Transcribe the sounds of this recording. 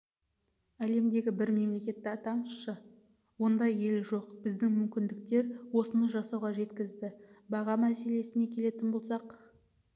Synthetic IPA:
æle̞md̪e̞ɡʲɪbɪɾme̞mle̞kʲe̞t̪ːɪɑt̪ɑməsʃə | wo̞nd̪ɑje̞lʒo̞qb̥ɪzd̪ɪŋmʏmkʲɪnd̪ɪk̚t̪e̞ɾwo̞sənəʒɑsɑwʁɑʒe̞t̪kʲɪzd̪ɪbɑʁɑmæse̞le̞sɪne̞kʲʰe̞le̞t̪ɪnbo̞lˠsɑq

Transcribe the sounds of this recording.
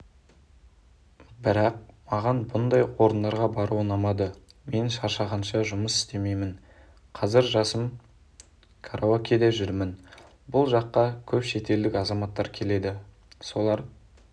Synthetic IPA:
bɪɾɑq̚mɑʁɑnbʊnd̪ɑjwo̞ɾənd̪ɑɾʁɑbɑɾuənɑmɑd̪əme̞nʃɑɾʃɑʁɑnʃɑʒʊməsɪ̥st̪e̞me̞jmɪn | qʰɑzɪɾʒɑsəm | kʰaɾʔookʲed̪eʒʏɾmɪn | bʊlˠʒɑqːɑkʲʰɵpʃe̞t̪e̞ld̪ɪkʲɑzɑmɑt̪ːɑɾkʲʰe̞le̞d̪ɪ | so̞lˠɑɾ

